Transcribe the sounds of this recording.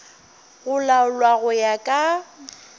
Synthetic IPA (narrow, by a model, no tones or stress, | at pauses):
ɣʊlaʊlwaɣʊjakʼa